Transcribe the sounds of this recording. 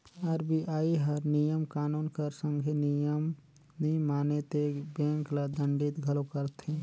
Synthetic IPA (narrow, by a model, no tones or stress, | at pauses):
aɾbiʔaːiɦəɾnijəmkaːnuːnkəɾsə̃ŋɡʱenijəm | nĩmaːnet̪ebẽːŋklad̪ə̃ɳɖit̪ɡʱəlokəɾt̪ẽ